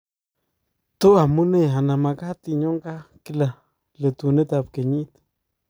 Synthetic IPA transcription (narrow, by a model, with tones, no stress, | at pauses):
t̪o˦a˨mu˦ne˦˨ɦa˨na˨ma˨ka˦t̪i˨ɲo˦ŋɡa˦ki˦la˨ | le˨t̪u˨ne˦t̪a˧p̚ke˨ɲi˦t̪